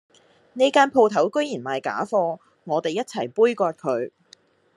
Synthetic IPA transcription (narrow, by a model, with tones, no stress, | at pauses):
ne˨˧jkaː˥npʰo˨˧wt̪ʰɐ˨˥wkɵ˥ɥjiː˨˩nmaː˨˧jka̰ː˨˥fɔː˧ | ŋɔː˨˧t̪e˨jɐ˥t̚t͡sʰɐ˨˩jpuː˥jkɔː˧t̚kʰɵ˨˧˥ɥ